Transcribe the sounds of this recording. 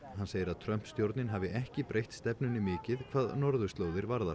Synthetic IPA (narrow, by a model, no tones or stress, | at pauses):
hanːseːjɪɾaðt̪ʰɾœm̥pst̪jowɾt̪nɪnɦavɪʔɛhcɪpɾʔejht̪st̪ɛpnʏnɪmɪːcɪðkʰv̥aːðnɔɾðʏst̪loːwðɪɾvaɾðaɾ